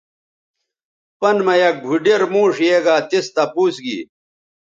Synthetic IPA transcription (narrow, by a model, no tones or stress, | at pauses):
pɐnmɐjɐk̚ɡʱuɖeɾmũːʂjeːɡaːt̪ist̪ɐpuːsɡḭː